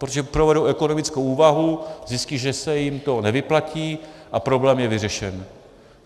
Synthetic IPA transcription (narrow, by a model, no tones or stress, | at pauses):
pɾot̪oʒɛpɾovɛduʔɛkonomɪt͡skowuːvaɦuzɪsciʒɛsɛjɪmt̪o̞nɛvɪplaciːʔapɾo̞blɛːmjɛvɪrɛʃɛn